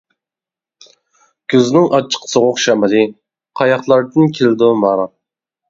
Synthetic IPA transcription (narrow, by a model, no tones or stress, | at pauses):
kʲʰøznɪŋʔɑt͡ʃʰːə̥qʰsoʁʊqʃɛmɪlɨ | qʰɑjɑχlˠɑɾd̪ɨnkʲʰelɪd̪umɑɾɑ